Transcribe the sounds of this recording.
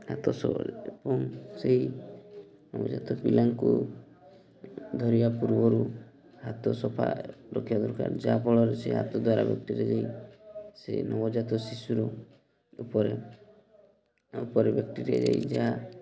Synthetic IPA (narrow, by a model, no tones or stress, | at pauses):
hat̪ɔsɔbɔlebɔŋseɦi | nɔbɔd͡ʒat̪ɔpilaŋku | d̪ʱɔɾibapuɾbɔɾu | hat̪ɔsɔpʰa̰ɾɔkʰibad̪ɔɾka̰ɾd͡ʒabɔɭɔɾeseɦa̰t̪ɔd̪waɾa̰bjɔk̚ʈiɾed͡ʒai | senʔɔbɔd͡ʒat̪ɔsisuɾɔ | upɔɾe | upɔɾebjɔk̚ʈiɾed͡ʒaid͡ʒaɦa